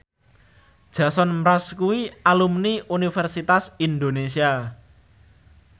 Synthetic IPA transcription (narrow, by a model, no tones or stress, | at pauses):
d̥ʒ̥ä̤sɔnmɾaskuwialumniʔunifɛrsit̪asind̪onesia